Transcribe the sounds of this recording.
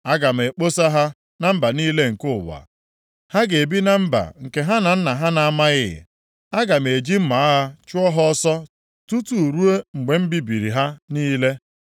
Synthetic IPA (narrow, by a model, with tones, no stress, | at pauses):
a˦ɡa˨m̩˨e˨k͡po˦sa˦ɦa˦ | na˦m̩˦ba˨niː˦le˦ŋ̩˨kʊ˦˨wa̰˨ | ha˦ɡe˨bi˦na˦m̩˦ba̰˨ŋ̩˨ke˨ɦa˦na˨n̩˦na˨ɦa˦na˨a˦ma˦ɣɪ̰˦˨ | a˦ɡa˨m̩˨e˨d͡ʒi˦m̩˦ma˨a˦ɦa˦t͡ʃʊ˦ɔ˦ɦɔ˦ɔ˦sɔ˦ | tu˦tu˨ɾu˦e˦ŋ͡m̩˨ɡ͡be˨m̩˦bi˦bi˨ɾi˨ɦa˦niː˦le˦